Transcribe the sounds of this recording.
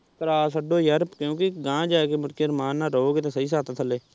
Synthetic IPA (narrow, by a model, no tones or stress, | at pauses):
kəɾaːsəɖoːjəɾpkjõːkiɡãːd͡ʒaːkeːmʊʈkeɾmaːnːaːɾooːɡeːt̪ẽːsəiːs̬aːt̪aːt̪ʰəleː